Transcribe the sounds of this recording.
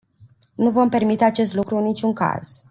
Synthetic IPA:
nuvo̞mpe̞rmit̪e̞at͡ʃe̞st̪lukɾuɨnːit͡ʃʲuŋka̰z̥

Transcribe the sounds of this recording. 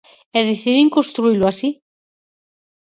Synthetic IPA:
eðeθiðiŋkonst̪ɾuiluasi

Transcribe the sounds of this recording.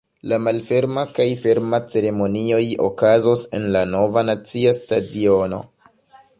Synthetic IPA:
lamalfe̞ɾmakajfe̞ɾmat͡se̞ɾe̞mo̞nio̞jo̞̰kazose̞̰nlano̞vanat͡siastadio̞no̞̰

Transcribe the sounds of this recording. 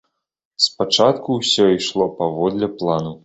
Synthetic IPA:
spat͡ʂat̪kuwsʲɔiʂlˠɔpavɔd̪lʲɛplˠanu

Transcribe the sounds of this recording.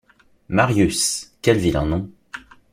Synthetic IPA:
maʁjyskʲɛlvilɑ̰̃nɔ̃

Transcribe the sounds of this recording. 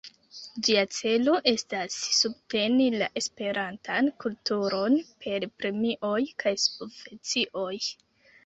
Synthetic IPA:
d͡ʒiat͡se̞lo̞ʔe̞stasːub̚te̞nila̰ʔe̞spe̞ɾantʰankultuɾo̞npʰe̞ɾpɾe̞miʔo̞jkajspofet͡siʔo̞j

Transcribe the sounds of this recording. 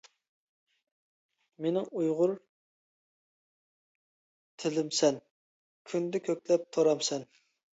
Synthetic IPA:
menɪŋujʁʊɾ | t̪ʰɪlɪmsɛn | kʲʰynd̪ɛkʲʰøkʲlɛp̚t̪ʰoɾɑmsɛn

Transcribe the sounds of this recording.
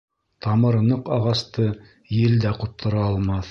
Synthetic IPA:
t̪ɑmɤ̆ɾ̆nɤqɑʁɑst̪ɤ | jɘ̆ld̪æqŭt̪ʰːɤ̆ɾɑːlˠmɑθ

